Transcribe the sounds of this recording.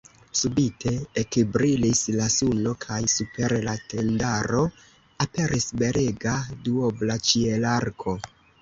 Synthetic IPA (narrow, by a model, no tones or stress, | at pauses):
subitʰe̞ekbɾilislasuno̞kʰajsupe̞ɾlatʰe̞ndaɾo̞ | ape̞ɾisbe̞ɾʔeɡaduoblat͡ʃielaɾkʰo̞